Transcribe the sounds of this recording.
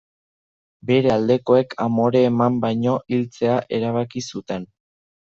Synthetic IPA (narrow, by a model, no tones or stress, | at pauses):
be̞ɾe̞ald̪e̞ko̞e̞kʰamo̞ɾe̞ːmambajɲo̞ʔilt͡se̞aʔe̞ɾaβ̞akisut̪e̞n